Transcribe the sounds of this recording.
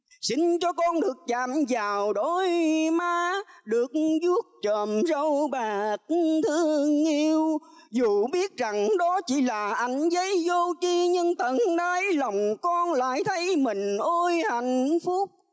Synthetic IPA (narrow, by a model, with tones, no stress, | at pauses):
sï˧˦ŋ̟t͡ɕɔ˧kɔ˧nɗɨ˨˩ək̚t͡ɕaː˧˨˩mzaː˨˩wɗo˧˩jmaː˧ɗɨ˨˩ək̚zu˦˥ək̚t͡ɕəː˨˩mzə˧wɓaː˨˩k̚t̪ʰɨ˧˦əŋi˧w | zu˨˩ɓi˦˥ət̚za˨˩ŋɗɔ˨˦t͡ɕi˧˩laː˨˩ʔa˧˩jŋ̟zə˨˦jzo˧t͡ɕi˧ɲɨ˧ŋt̪ə˨˩nɗaː˨˦jla˨˩wŋ͡mkɔ˧nla̰ː˧˨jt̪ʰə˨˦jmï˨˩ŋ̟ʔo˧jha˧˨jŋ̟fʊ˦˥k͡p̚